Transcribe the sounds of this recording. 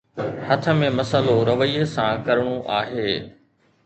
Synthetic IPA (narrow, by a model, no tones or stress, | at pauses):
hɐt̪ʰə̆mẽmɐsəloɾɐʋəiesãkɐɾɽ̃uʔaːɦeː